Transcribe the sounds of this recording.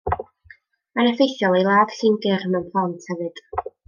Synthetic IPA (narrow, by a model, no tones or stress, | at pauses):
manəfejθjɔlˠejlˠaːð̥ɬɪnɡɪrmənpʰlˠantʰhɛvɨd̥